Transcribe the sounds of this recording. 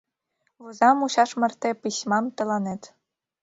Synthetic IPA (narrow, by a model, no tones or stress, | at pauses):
ʋuzɑmuɕɑʂmɘ̆rt̪ʲepismɑmt̪ɤ̆lˠɑnet̪ʲ